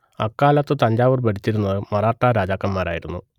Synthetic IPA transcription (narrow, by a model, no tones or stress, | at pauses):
ɐkːaːlɐt̪ːɨt̪ɐɲd͡ʑaːʋɨrbɐʈit͡ɕːiɾunːɐðɨmɐraːʈːɐɾaːd͡ʑaːkːɐmːaːɾaːjiɾunːu